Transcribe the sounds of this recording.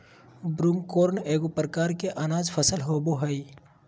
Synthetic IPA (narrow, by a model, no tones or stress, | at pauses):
bɾuːmkoːɾneːɡopɾkaːɾkeʔɐnaːzfʰəsəlɦoːboɦəi